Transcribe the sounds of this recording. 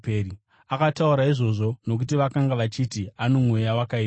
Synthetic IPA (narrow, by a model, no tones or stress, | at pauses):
peːɾi | akatauɾaiʐo̞ʐo̞no̞k̬utiʋakaŋɡaʋat͡ʃitiano̞mwe̞jawakaiː